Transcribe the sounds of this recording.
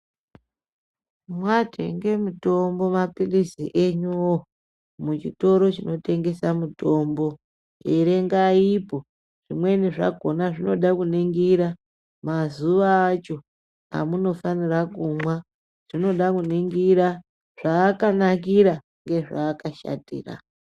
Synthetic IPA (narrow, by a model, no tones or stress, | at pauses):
mwatʰḛŋɡe̞muto̞mbo̞mapilisiʔeɲuo | mut͡ʃito̞ɾo̞t͡ʃino̞te̞ŋɡe̞samuto̞mbo̞ | eɾe̞ŋɡaipo̞ | ʐ̥imwe̞niʐa̰ɡʱo̞naʐino̞ɗakuneŋɡiɾa | mazuʋaːt͡ʃo̞ | a̰muno̞fanirakumwa | ʐ̥ino̞ɗakuneŋɡiɾa | ʐ̥aːkanak̬iɾa | ŋɡe̞ʐaːkaʃa̰tḭːra̰